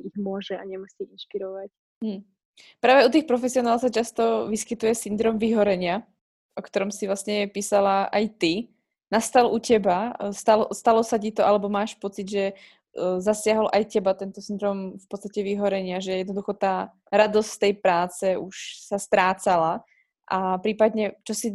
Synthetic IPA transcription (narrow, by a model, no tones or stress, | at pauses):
iɣmʊɔʒɛaɲɛmuʃsiinʃpiɾɔʋac | mm̩ː | pɾaːʋɛut̪̬iːxpɾɔfɛsiɔnaːlsat͡ʃast̪ɔʋiskit̪ujɛsind̪ɾɔːmʋiɦɔɾɛɲɪa | ʔɔkt̪ɔɾɔmsivlasɲɛpiːsalaʔajt̪i | nast̪alʔucɛbast̪alɔst̪alɔsacit̪ɔʔalɛbɔmaːʃpɔt͡sid̪ʒɛ | zasɪaɦɔlʔajcɛbat̪ɛnt̪ɔsind̪ɾɔːmfpɔt̪t͡sst̪acɛʋiɦɔɾɛɲɪaʒɛjɛd̪nɔd̪uxɔt̪aː | ɾad̪ɔst̪ɛjpɾaːt͡sɛuʃsast̪ɾaːt͡sala | ʔapɾiːpad̪ɲɛt͡ʃɔsi